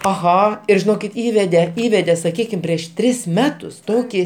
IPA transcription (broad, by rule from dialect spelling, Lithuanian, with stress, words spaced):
ɐˈɣɐ ɪr ʒʲɪˈnoːkʲɪt ˈiːʋʲɛdʲɛ ˈiːʋʲɛdʲɛ sɐˈkʲiːkʲɪm pʲrʲiɛʃ ˈtʲrʲɪs ˈmʲæːtʊs ˈtoːkʲɪ